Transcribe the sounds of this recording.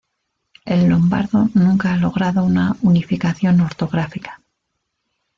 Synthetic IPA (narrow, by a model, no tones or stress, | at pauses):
e̞lːo̞mba̰ɾðo̞nũŋkaalo̞ɣ̞ɾaðo̞unaunifikaθjo̞no̞ɾt̪o̞ɣɾafikḁ